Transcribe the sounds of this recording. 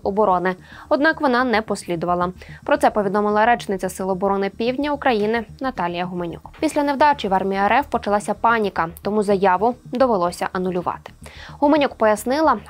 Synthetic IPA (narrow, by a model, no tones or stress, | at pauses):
ɔbɔɾɔnɪ | ɔd̪̚nɑkʋɔnɑnɛpɔsʲlʲid̪ʊʋɐlˠɐpɾɔt̪sɛpɔʋʲid̪ɔmɪlˠɐɾɛt͡ʃnɪt͡sʲɐsɪlˠɔbɔɾɔnɪpʲiwdʲnʲɐukɾɐjinɪnɐt̪ɑlʲijɐɦʊmenʲṵkpʲisʲlʲɐnewd̪ɑt͡ʃʲiʋɑrmʲijiɛɾɛwpɔt͡ʃɐlˠɑsʲɐpɑnʲikɐt̪ɔmuzɐjɑʋʊd̪ɔʋelˠɔsʲɐ̰ʔɐnʊlʲʊʋɑ̰t̪ɪ̥ɦʊmenʲukpɔjɐsnɪlˠɐ